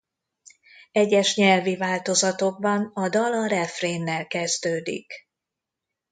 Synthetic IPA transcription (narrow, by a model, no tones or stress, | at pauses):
ɛɟːɛʃɲɛlvivaːlt̪o̞zɒt̪o̞ɡ̚bɒnɒd̪ɒlɒɾɛfreːnːɛlkɛzd̪øːd̪ḭk